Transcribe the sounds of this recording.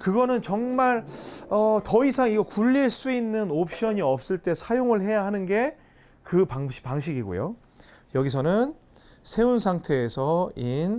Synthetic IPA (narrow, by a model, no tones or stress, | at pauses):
kɯɡʌnɯnt͡ɕʌŋmaɭʌtʌisʰaŋiɡʌkuʎːiɭs͈uinːɯnop̚ʰɕ͈ʌɲiʌp̚s͈ɯɭt͈e̞sʰajoŋɯɭɦe̞jaɦanɯnɡe̞ | kɯpaŋpaŋɕ̬ʰiɡiɡo̰jo̰ | jʌɡis̬ʰʌnɯn | sʰe̞unsʰaŋtʰe̞ːsʰʌin